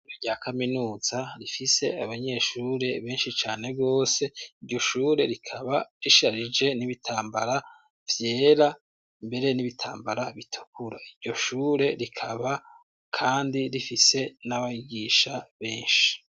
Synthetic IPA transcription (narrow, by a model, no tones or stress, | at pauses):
joɾɟaːkʰaminuːz̥aɾifise̞aβaɲe̞ʃuːɾe̞βe̞ːnʃit͡ʃaːne̞ɡo̞ːse̞iɾɟo̞ʃuːɾe̞ɾikʰaβaɾiʃaɾid͡ʒe̞niβitʰaːmbaɾa | vje̞ːɾa | mbe̞ɾe̞niβitʰaːmbaɾaβitʰu̥kuɾa̰iɾɟo̞ʃuːɾe̞ɾikʰaβa | kʰaːndiɾifise̞naβahiɡiʃaβe̞ːnʃi̥